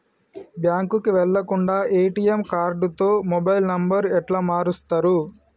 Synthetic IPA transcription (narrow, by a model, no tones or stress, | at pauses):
bjaːŋkukiʋɛɭːɐkuɳɖaːʔeːʈijemkaːɾɖut̪o̞ːmobɐjlnɐmbɐɾɛʈlaːmaːɾust̪ɐɾu